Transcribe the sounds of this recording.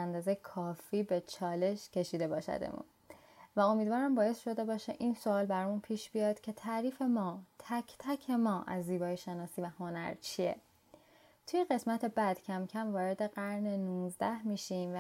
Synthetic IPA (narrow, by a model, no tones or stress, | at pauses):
ænd̪ɒːzejekʰɒːfiːbe̞t͡ʃʰɒːle̞ʃcʰe̞ʃiːd̪e̞bɒːʃæ̰d̪ḛmṵn | væo̞miːd̪vɒːɾæmbɒːje̞sʃo̞d̪e̞bɒːʃeʔinso̞ɒːlbæɾɒmunpʰiːʃbijɒːd̪̥cʰe̞t̪ʰæʔɾiːfe̞mɒːt̪ʰæcʰt̪ʰæcʰe̞mɒːʔæzːiːbɒːjeʃe̞nɒːsiːvæho̞næ̰ɾt͡ʃʰiḛ | t̪ʰujeɣe̞smæt̪ʰe̞bæd̪̥cʰæmcʰæmvɒːɾe̞d̪e̞ɢæɾnenunzd̪æhmiːʃimv